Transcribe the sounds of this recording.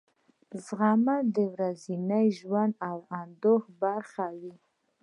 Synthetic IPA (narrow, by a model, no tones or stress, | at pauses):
zʁamad̪əwɾazinajʒwand̪awand̪oχbaɾχawi